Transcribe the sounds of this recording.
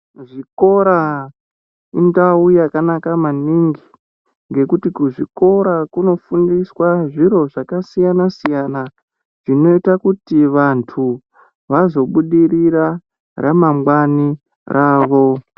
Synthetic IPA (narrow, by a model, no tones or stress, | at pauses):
ʐiko̞ɾa | indaujakanakamaniŋɡi | ŋɡe̞kutikuʐiko̞ɾakuno̞fundiswaʐiɾo̞ʐakasijanasijana | ʐ̥ino̞itakutiʋantʰu | ʋazo̞ɓuɗiriɾa | remamɡwani | rʔaːʋo̞